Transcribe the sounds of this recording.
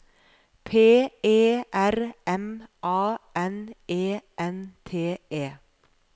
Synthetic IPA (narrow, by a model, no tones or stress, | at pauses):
pʰeːeːʔæɾɛmʔɑːɛneːʔɛnt̪ʰeːeː